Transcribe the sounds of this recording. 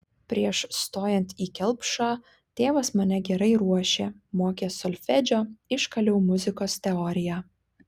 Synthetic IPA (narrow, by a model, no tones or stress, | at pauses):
pʲɾʲiɛʃst̪oːjɛnʲt̪ʲiːkʲɛlˠpʃɑː | t̪ʲeːʋɐsmɐnʲɛɡʲɛɾɐɪɾuɔʃʲeːmoːkʲeːsɔlʲfʲɛd͡ʒʲoːɪʃkɐlʲɛʊmʊzʲɪkoːst̪ʲɛɔːɾʲɪjæː